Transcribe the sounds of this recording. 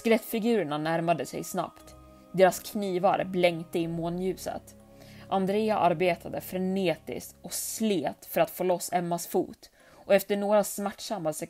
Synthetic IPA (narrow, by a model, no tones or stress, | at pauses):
skɾɛt̪ːfɪɡʉ̟ːɾəɳanæɾmad̪əsɛ̰jsna̰pt̪ | d̪eːɾaskʰniːvaɾə̰blɛŋt̪əɪmoːnjʉ̟ːsə̰t̪ | ʔand̪ɾeːaʔaɾbeːt̪ʰad̪əfɾɛneːt̪ɪ̰st̪ɔsleːt̪fœɾat̪foːlɔsːɛmːasfṵːt̪ | ʔɔɛft̪əɳoːɾasmæʈːʂamːasɛ